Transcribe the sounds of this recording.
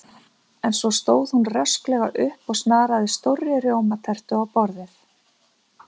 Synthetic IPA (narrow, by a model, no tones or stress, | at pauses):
ɛnsɔst̪oːwð̥hunrœsklɛɣa̰ʔʏhpɔɣsnaːɾaðɪst̪owrːɪrjowmat̪ʰɛr̥t̪ʏawpɔɾðɪθ